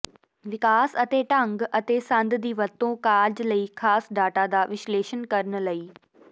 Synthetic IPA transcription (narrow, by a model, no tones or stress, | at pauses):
ʋɪkaːsɐt̪eʈɐ̃ŋɡɐt̪esɐ̃nd̪d̪iːʋɐɾt̪õkaːɾd͡ʑlɐiːxʰaːsɖaːʈad̪aːʋɪʃleːʃənkɐɾənə̆lɐiː